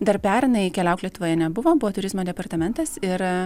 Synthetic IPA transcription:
d̪ɐɾpʲæːɾnɐɪkʲɛlʲɛʊklʲɛt̪ʊʋoːjɛnʲɛbʊʋoːbʊʋoːt̪ʊɾʲɪzmoːd̪ʲɛpɐɾt̪ɐmʲɛnt̪ɐsɪɾ

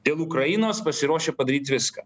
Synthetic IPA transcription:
d̪ʲeːlˠukɾɐjɪnoːspɐsʲɪɾoːʃʲeːpɐd̪ɐɾʲiːt̪ʲʋʲɪskɐ̰ː

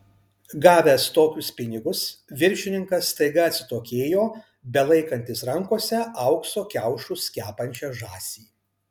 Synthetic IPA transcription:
ɡɑːʋʲæːst̪oːkʲʊspʲɪnʲɪɡʊsʋʲɪɾʲˑʃʲɪnʲɪŋkɐsːt̪ɐɪɡɐɐt̪ʲsʲɪt̪oːkʲeːjoː | bʲɛlˠɐɪkɐnʲt̪ʲɪsɾɐŋkoːsʲɛɐʊksoːkʲæʊʃʊsʲkʲæːpɐnʲt͡ʃʲɛːʒɑːsʲiː

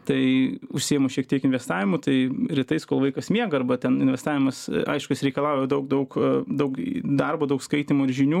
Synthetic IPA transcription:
t̪ɐɪʊʃʲsʲijɛmoʃʲiɛk̚t̪ʲiɛkɪnʲʋʲɛst̪ɑːʋʲɪmʊt̪ɐɪɾʲɪt̪ɐɪskoːlˠʋɐɪkɐsmʲiɛɡɐɐrbɐt̪ʲɛnɪnʲʋʲɛst̪ɑːʋʲɪmɐsɐ̰ɪʃkʊjɪsɾʲɛɪkɐlˠɑʊjɛd̪ɐʊk̚d̪ɐʊkd̪ɐʊkd̪ɐrboːd̪ɐʊkskɐɪt̪ʲimʊːɪɾʒʲɪnʲuː

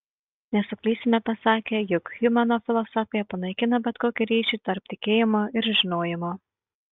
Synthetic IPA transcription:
nʲɛsʊklʲiːsʲɪnʲɛpɐsɑːkʲeːjʊkxjʊmʲɛnoːfʲɪlˠɔsɔfʲɪjɛpɐnɐɪkʲɪnɐbʲɛt̪koːkʲiɾʲiːʃʲiːt̪ɐɾp̚t̪ʲɪkʲeːjɪmoːɪɾʒʲɪnoːjɪmoː

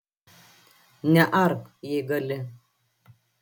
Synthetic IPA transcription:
naʔaɾkjeɡalə

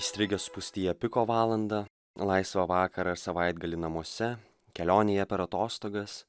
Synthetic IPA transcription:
isʲt̪ʲɾʲɪɡʲospʊsʲt̪ʲiːjɛpʲɪkoːʋɑːlˠɐnd̪ɐ | lˠɑɪsʋɐʋɑːkɐɾɐɪɾsɐʋɑɪd̪ɡɐlʲinɐmuɔsʲɛ | kʲɛlʲoːnʲɪjɛpʲɛɾɐt̪oːst̪oːɡɐs

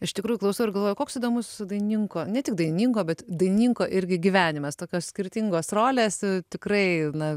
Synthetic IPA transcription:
ɪʃt̪ʲɪkɾuːjʊklˠɐʊsɐʊɪɾɡɐlˠʋoːjʊkoːksiːd̪oːmʊsd̪ɐɪnnʲiŋkoːnʲɛtʲɪk̚d̪ɐɪnʲɪnʲiːŋkoːbʲɛt̪d̪ɐɪnʲnʲiŋkoːʔɪɾʲɡʲɪɡʲiʋʲæːnʲɪmɐst̪oːkʲoːssʲkʲɪɾʲt̪ʲiŋɡoːsroːlʲeːst̪ʲɪkrɐɪnɐ

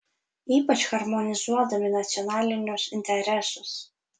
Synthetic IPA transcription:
iːpɐt͡ʃxɐɾmɔnʲɪzuɔd̪ɐmʲɪnɐt̪sʲɪɔnɑːlʲɪnʲusɪnʲt̪ʲɛɾʲɛsʊs

